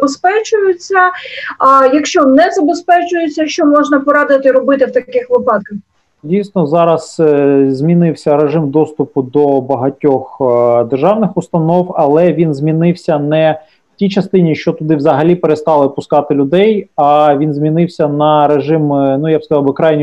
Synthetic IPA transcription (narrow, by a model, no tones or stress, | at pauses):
bespɛt͡ʃʊjʊt͡sʲːɐ | jɐkʃt͡ʃɔnɛzɐbespɛt͡ʃʊjʊt͡sʲːɐʃt͡ʃɔmɔʒnɐpɔɾɑd̪ɪt̪ɪɾɔbɪt̪ɪwt̪ɐkɪxʋɪpɑt̪̚kɐx | dʲijsnɔzɑɾɐz̥zʲmʲinɪwsʲɐɾeʒɪmd̪ɔst̪ʊpʊd̪ɔbɐɦɐtʲɔxd̪erʒɑwnɪxʊst̪ɐnɔwɐlˠɛʋʲinzʲmʲinɪwsʲɐnɛ | w̥tʲijt͡ʃɐst̪ɪnʲiʃt͡ʃɔt̪ʊd̪ɪwzɐɦɐlʲipeɾest̪ɑlˠɪpʊskɑt̪ɪlʲʊd̪ɛjɑʋʲinzʲmʲinɪwsʲɐnɐɾeʒɪmnujabskɐzɑwbɪkɾɑjnʲ